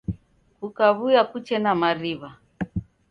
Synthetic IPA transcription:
kukaβujakut͡ʃɛnamaɾiβa

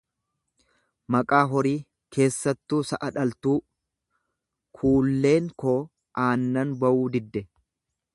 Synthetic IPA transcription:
mɐkʼaːɦɔɾiː | kʰe̞ːsːɐt̪ːuːsɐʔɐᶑɐlt̪uː | kʰuːlːe̞ːŋkoː | ʔaːnːɐnbɐʔuːd̪ɪd̪ːɛ

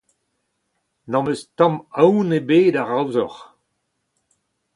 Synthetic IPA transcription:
nɑ̃məstɑ̃mawnebeːdaʁawzɔʁ

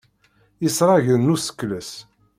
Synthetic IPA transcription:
isɾˤɑʝənːusə̥kːləs

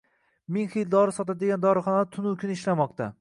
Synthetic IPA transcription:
mɪŋχijld̪ɒɾɪsɒt̪ad̪eɡʲand̪ɒɾɨχɒnad̪at̪ʰʊnukʲʰɪnɪʃlamɒq̚t̪ʰa

